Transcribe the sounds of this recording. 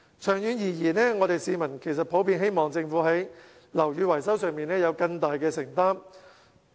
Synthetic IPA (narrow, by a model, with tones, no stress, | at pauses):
t͡ʃʰœː˨˩ŋjyː˨˧njiː˨˩jiː˨˩nɛː˥ŋɔː˨˧t̪e˨jsiː˨˧mɐ˨˩nkʰe˨˩jsɐ˨t̚pʰo˨˥wpiː˧nɦe˥jmɔː˨˩ŋt͡sɪ˧ŋfuː˨˥ɦɐ˨˥j | lɐ˨˩wjyː˨˧wɐ˨˩jsɐ˥wsœː˨˧ŋmiː˨nɛː˥jɐ˨˧wkɐ˧ŋt̪aː˨jkɛː˧sɪ˨˩ŋt̪aː˥m